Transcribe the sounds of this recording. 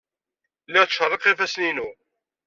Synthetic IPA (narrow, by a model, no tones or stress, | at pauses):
lːəʁʃərˤːɪqifæsninu